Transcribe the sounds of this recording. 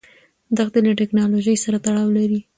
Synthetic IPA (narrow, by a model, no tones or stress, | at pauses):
d̪aɣd̪elaʈɪknɑloʒəjsaɾat̪aɽɑwlaɾi